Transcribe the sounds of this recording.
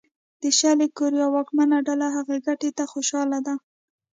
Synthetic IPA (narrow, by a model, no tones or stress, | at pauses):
d̪̥əʃalekoɾijɑwɑkmanaɖalaɦaɣeɡaʈet̪axoʃɑlad̪a